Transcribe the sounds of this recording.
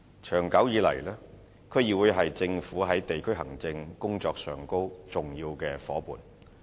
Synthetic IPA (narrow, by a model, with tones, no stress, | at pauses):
t͡ʃʰœː˨˩ŋkɐ˨˥wjiː˨˥lɐ̰˨˩jlɛː˥ | kʰɵ˨˧ɥjiː˨˧wuː˨˧jɦɐ˨jt͡sɪ˧ŋfuː˨˥ɦɐ˨˥jt̪e˨jkʰɵ˥ɥɦɐ˨˩ŋt͡sɪ˧ŋkʊ˥ŋt͡sɔː˧k̚sœː˨˩ŋko˥wt͡sʊ˨ŋjiː˧wkɛː˧fɔː˨˥pṵː˨n